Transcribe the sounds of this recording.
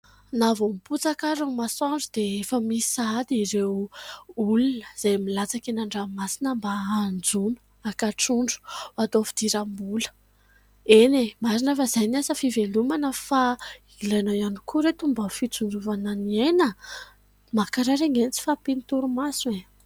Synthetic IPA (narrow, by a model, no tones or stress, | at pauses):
navomiput͡sakaɾaŋmasɔɳɖ͡ʐud̪eefəmisad̪iɾew | ulunə̥z̥ajmilat͡sakenaɳɖ͡ʐamasinəmbaand͡zunu̥ | akaʈ͡ʂuɳɖ͡ʐu̥at̪ofid̪̥iɾambulə̥ | enemaɾinafəzajnasəfivelumanəfa | ilanawjanikʰuɾet̪umbəfit͡sund͡zuvananienə | makaɾaɾeŋenit͡si̥fapinit̪uɾumasue